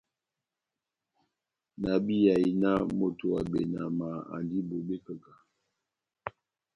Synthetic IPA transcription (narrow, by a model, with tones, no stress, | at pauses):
na˨bi˦ja˨i˨na˦mo˨to˨a˨be˨na˨ma˨a̰˨ndi˦bo˨be˦kə˨ka˨